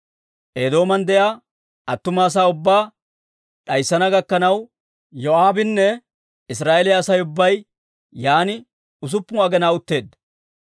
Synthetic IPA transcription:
ʔeːd̪o̞ːmɐnd̪ɛjaː | ɐt̪ːʊmaːs̬aːʊbːaː | ᶑɐjsːɐnɐɡɐkːɐnɐw | joaːbɪnːɛ | ɪsɾaːʔelɪjɐsɐjʊbːɐj | jaːnɪ | ʊs̬ʊpːʊɐɡɛnaːʊt̪ːe̞ːd̪ːɐ

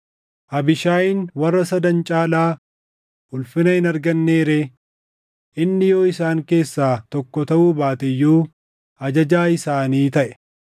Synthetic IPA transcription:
ʔɐbɪʃaːɪnwɐrːɐsɐd̪ɐnt͡ʃʼaːlaː | ʊlfɪnɐhɪnɐɾɡɐnːe̞ːɾeː | ʔɪnːɪjoːɪsaːŋke̞ːsːaːt̪ɔkːɔt̪ɐʔuːbaːt̪ɛjːuː | ɐd͡ʒɐd͡ʒaːɪsaːniːt̪ɐʔɛ̥

